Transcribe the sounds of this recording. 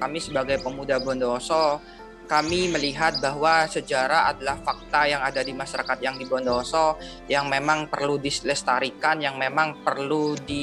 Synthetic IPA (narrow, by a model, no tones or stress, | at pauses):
kamisəbaɡajpəmudabɔndɔsɔ | kamiməliɦat̪̚baɦwasəd͡ʒaɾaadalahfak̚t̪ajaŋadadimaʃaɾakat̪̚jaŋdibɔndɔsɔ | jaŋmemaŋpə̰rludisləst̪aɾikanjaŋmemaŋpərludi